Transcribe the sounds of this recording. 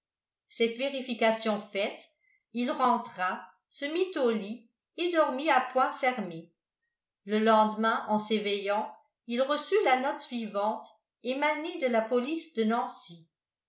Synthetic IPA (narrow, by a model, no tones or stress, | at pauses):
sɛt̪veʁifikasjɔ̃fɛt̪ | ilʁɑ̃t̪χa | səmit̪oli | ed̪ɔʁmiapwɛ̃fɛʁme | ləlɑ̃d̪mɛ̃ʔɑ̃sevejɑ̃ | ilʁəsylanɔt̪sɥivɑ̃t̪ | emaned̪əlapɔlisd̪ənɑ̃si